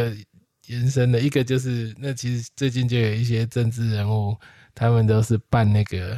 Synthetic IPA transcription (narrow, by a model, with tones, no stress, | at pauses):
jɛ˨˦nʂə˦nd̪ə˨i˦˥ɡə˨t͡ɕjo˥˧ʊʂ̬ɻ̩˥˧na˥˩t͡ɕʰi˧˥ʂɻ̩˧˦t͡swe˥˧ɪt͡ɕi˥˧nt͡ɕjo˥˩ʊjo˨˩ʊi˥˩ɕ̬jɛ˦ʈ͡ʂə˥˧nʈ͡ʂɻ̩˥˩ɻa˧˥nxo˥˩ʊ | t̪ʰa˦mə˨nt̪o˥ʊʂɻ̩˥˧pa˥˧nna˥˩ɪɡə˩